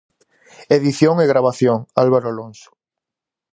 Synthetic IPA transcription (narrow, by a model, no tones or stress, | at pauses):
eðiθjoŋeɣɾaβ̞aθjoŋalβaɾoalonsʊ̥